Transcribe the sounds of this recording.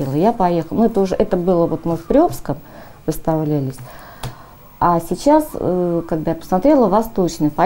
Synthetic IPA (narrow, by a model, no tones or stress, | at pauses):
elˠəjapɐjexəlˠmɨt̪oʐɨʔɛt̪əbɨlˠəvo̞t̪mɨfpɾʲɪopskəm | vɨst̪avlʲælʲɪsʲ | asʲɪt͡ɕaskaɡ̚d̪ajapə̥smɐt̪ɾʲe̞lˠəvɐst̪o̞t͡ɕnɨjpɐ